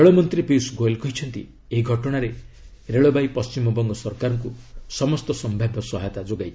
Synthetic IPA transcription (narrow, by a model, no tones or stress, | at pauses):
eɭomɔnt̪ɾipisɡojlkɔɦit͡ʃʰɔnt̪ḭ | eɦiɡʱɔʈɔɽ̃aɾe | ɾeɭobajpɔst͡ʃimɔbɔŋɡɔsɔɾkaɾɔŋkusɔmɔst̪ɔsɔmbʱabʱɔsɔɦajt̪ad͡ʒoɡaj